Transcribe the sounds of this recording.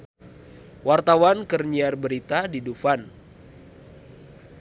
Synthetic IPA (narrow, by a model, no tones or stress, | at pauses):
wart̪awankərɲiarbəɾit̪adidufan